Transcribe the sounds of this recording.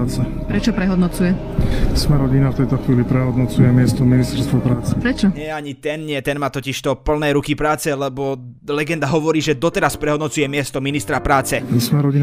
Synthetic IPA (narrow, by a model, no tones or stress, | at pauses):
t͡sɛ | pɾɛt͡ʃɔpɾɛɦɔd̪nɔt͡sujɛ | smɛɾɔɟinaft̪ɛjt̪ɔxʋiːlipɾɛɦɔd̪nɔt͡sujɛmɪɛst̪ɔminist̪ɛɾst̪ʋɔpɾaːt͡sɛpɾɛt͡ʃɔɲɪɛjɛaɲit̪ɛnɲɪɛt̪ɛnmaːt̪ɔciʃt̪ɔpl̩nɛːɾukipɾaːt͡sɛlɛbɔ | lɛɡɛnd̪aɦɔʋɔɾiːʒɛd̪ɔt̪ɛɾaspɾɛɦɔd̪nɔt͡sujɛmɪɛst̪ɔminist̪ɾapɾaːt͡sɛsmɛɾɔɟi